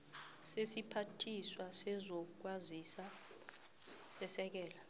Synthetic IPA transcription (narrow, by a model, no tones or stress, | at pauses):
sesipʰatʰiswasɛzɔk̬wazisa | sɛsɛk̬ɛːla